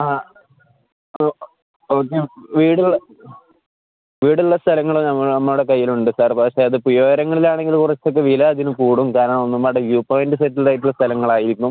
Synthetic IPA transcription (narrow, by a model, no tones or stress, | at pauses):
aː | oːk̬ːeʋiːɽiɭɐ | ʋiːɽiɭːɐst̪ʰɐlɐŋːɐɭnɐmːɐɭnɐmːɐɭuɽe̞kɐjːiluɳɖɨsaːrpɐkʂeɐðɨpujoːɐɾɐŋːɐɭilaːɳe̞ŋɡilkurɐt͡ɕːok̬ːeʋilɐɐðinukuːɽumkaːɾɐɳɐmonːumːaːʈejuːpaːjndɨsetːilðaːjʈ̬ːuɭːɐst̪ʰɐlɐŋːɐɭaːjiɾikʲːum